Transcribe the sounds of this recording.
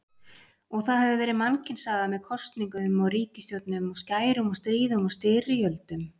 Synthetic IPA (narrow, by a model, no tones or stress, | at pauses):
ɔɣθaðhɛvðʏvɛːɾɪðmancɪnsaːɣðamɛðkʰɔst̪niŋkʏmɔɣriːcɪst̪jowt̪nʏmɔɣscaːjɾʏmɔɣst̪ɾiːðʏmɔst̪ɪːrɪjœlt̪ʏm